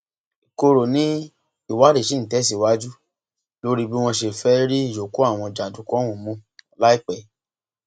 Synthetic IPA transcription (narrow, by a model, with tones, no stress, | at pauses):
i˨ko˧ɾo˨nĩ˦ | i˦˨wa˨˦ɾi˦˨ʃe˦n̩˨tɛ˨˦si˨wa˦d͡ʒu˦ | lo˦ɾi˦bi˦w̃ɔ̃˧ʃe˨fɛ˦ɾi˦i˦˨d͡ʒo˨ku˦a˦˨w̃ɔ̃˧d͡ʒa˨d͡ʒũ˨˦kɔ̃˦wũ˨mũ˧la˦i˦˨k͡pɛ˨